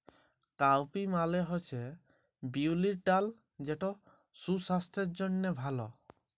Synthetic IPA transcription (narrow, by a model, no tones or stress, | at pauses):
kawpimaleɦot͡ʃʰe | biuliɾʈal | d͡ʒeʈo | susast̪ʰeɾd͡ʒonːebʱalɔ